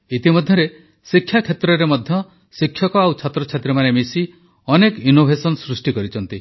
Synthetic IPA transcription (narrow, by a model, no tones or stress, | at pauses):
it̪imɔd̪ʱjɔɾe | sikʰːjakʰjet̪ɾɔɾemɔd̪ʱjɔ | sikʰːjɔkɔawt͡ʃʰat̪ɾɔt͡ʃʰat̪ɾɔmanemisi | ɔnekinobʱesɔnɔsɾusʈikɔɾit͡ʃʰɔnt̪i